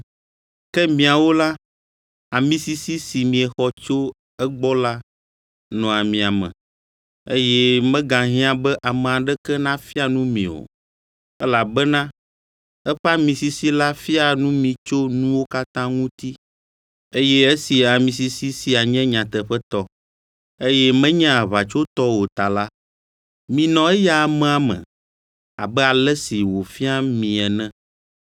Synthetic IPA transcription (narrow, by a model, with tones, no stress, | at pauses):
kɛ˦mĩ˨a˨wo˦la˦ | a˨mĩ˦si˦si˦si˨mĩ˨ɛ˨xɔ˦t͡ʃo˦ | ɛ˦ɡ͡bɔ˦la˦ | nɔ̃˨a˨mĩ˨a˨mɛ̰̃˨ | ḛ˦jɛ˦mɛ̃˦ɡã˨ɦĩ˦ã˦bɛ˦ʔa˨mɛ̃˨a˨ɖɛ˦kɛ˦nã˦fi˦a˨nũ˦mḭ̃˨o̰˨ | ɛ˦la˨bɛ˦nã˦ | ɛ˦ɸa˦mĩ˨si˨si˦la˦fi˦a˨nũ˦mĩ˨t͡ʃo˦nũ˦wo˦ka˦t̪ã˦ŋũ˦t̪i˦ | e˦jɛ˦e˦si˨a˨mĩ˨s̬i˨si˦si˨a˨ɲɛ̃˦ɲã˨t̪ɛ˨ɸɛ˦t̪ɔ˦ | e˦jɛ˦mɛ̃˦ɲɛ̃˦a˨βa˨t͡ʃo˦t̪ɔ˦wo˨t̪a˨la˦ | mĩ˨nɔ̃˨ɛ˦ja˦a˨mɛ̃˨a˨mɛ̰̃˨ | a̰˨bɛ˦a˨lɛ˦si˨wo˨fi˦a˦mĩ˨ɛ˨nɛ̃˦